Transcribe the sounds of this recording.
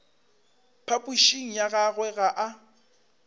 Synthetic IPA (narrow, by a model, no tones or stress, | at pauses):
pʰapʼuʃiŋ̩jaɣaɣwɛɣaʔa